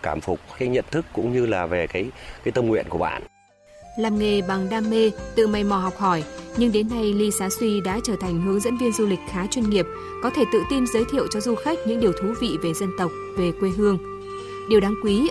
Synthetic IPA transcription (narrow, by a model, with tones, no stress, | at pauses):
kaː˧˩mfʊ˨˩k͡p̚xa˧˦jɲə̰˧˨nt̪ʰɨ˦˥kːʊ̰˧˥ŋ͡mɲɨ˧laː˨˩ve˨˩kaː˨˦jkaː˨˦jt̪ə˧mŋwḭ˧˨ənku˧˩əɓa̰ː˧˨n | laː˨˩mŋe˨˩ɓa˨˩ŋɗaː˧mːe˧t̪ɨ̰˧˨ma˨˩jmɔ˨˩ɦɔ˨˩wk͡p̚hɔ˧˩jɲɨ˧ŋɗe˨˦nːa˧jli˧saː˨˦swi˧ɗa̰ː˧˥t͡ɕəː˧˩t̪ʰa˨˩ŋ̟ɦɨ˨˦əŋzə̰˧˥nvi˧ənzu˧lï˨˩k̟̚xaː˨˦t͡ɕwi˧nŋi˨˩əp̚ | kɔ˨˦t̪ʰe˧˩t̪ɨ̰˧˨t̪i˧mzəː˨˦jt̪ʰḭ˧˨əwt͡ɕɔ˧zu˧xa˦˥k̟̚ɲɨ̰˧˥ŋɗi˨˩əwt̪ʰu˨˦vḭ˧˨ve˨˩zə˧nt̪ə˨˩wk͡p̚ve˨˩kwe˧ɦɨ˧əŋ | ɗi˨˩əwɗaː˨˦ŋkwi˨˦